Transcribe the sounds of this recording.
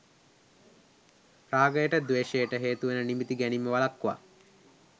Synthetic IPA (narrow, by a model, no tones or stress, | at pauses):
raːɡəjəʈəd̪ʋeːʃejəʈəɦeːt̪uʋenənimit̪iɡænimːəʋalakːʋa̰